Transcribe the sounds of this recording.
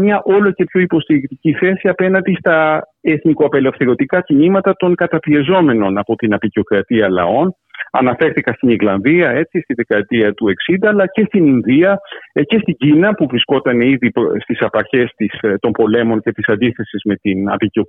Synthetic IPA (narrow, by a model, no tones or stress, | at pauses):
mɲɐʔo̞lo̞ce̞pço̞ipo̞st̪iɾikt̪iciθe̞siɐpe̞nɐnd̪ist̪ɐeθnikoɐpe̞le̞fθe̞ɾo̞t̪ikɐcinimɐt̪ɐt̪o̞ŋkɐt̪ɐpie̞zo̞me̞no̞nɐpo̞t̪inɐpicio̞kɾɐt̪iɐlɐ̰o̞n | ɐ̰nɐfe̞ɾθikɐst̪iniɾlɐnðiɐe̞t͡sist̪iðe̞kɐt̪iɐt̪ue̞ksind̪ɐːlɐce̞st̪ininðiɐce̞st̪iɟinɐpuvɾisko̞t̪ɐneiðist̪isɐpɐɾçe̞st̪ist̪o̞mbo̞le̞mo̞nce̞t̪isɐnd̪iθe̞sizme̞t̪inɐ̰picio